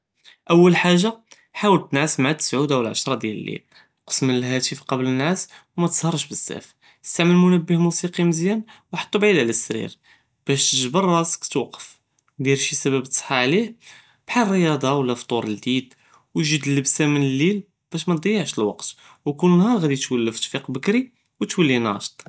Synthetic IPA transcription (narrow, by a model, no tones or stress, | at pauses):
ʔəwːəlħaʒːa | ħawəlt̪nʕasmʕat̪ːə̥sʕud̪æwəlʕə̰ʃɾˤɑd̪jælə̰lːḭl | qə̥smənəlɦæt̪ifqɑblənːaswmæt̪ə̥sˤhɑɾˤʃbəsːæ̰f | əst̪aʕməlmʊnəbːəhmusiqiməzjænwħɑ̥t̪ˤːubʕilæləsːɾḭɾ | b̥æʃt̪əʒbərˤːɑsə̥kt̪wɑqːəf | d̪iɾʃisæbæbət̪ˤsˤħɑʕlih | b̥ħarːəjɑd̪ˤɑwlːæft̪ˤuɾˤəld̪id̪ | wʒəd̪əlːəbsæmənəlːil | b̥æʃmæd̪ˤəjːəʕʃəlwɑ̰qt̪ | wkunnhɑɾˤɣæd̪it̪wəlːæfit̪fiqbəkɾi | wət̪wəlːinɑ̰ʃt̪ˤ